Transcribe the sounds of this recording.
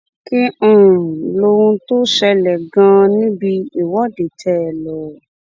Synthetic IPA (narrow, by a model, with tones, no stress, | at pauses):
ki˦ũ˦˧˨lo˧wũ˧to˦ʃɛ˧lɛ˨ɡã˧nĩ˦bi˧i˨wɔ˦de˨tʰɛ˦˨lɔ˨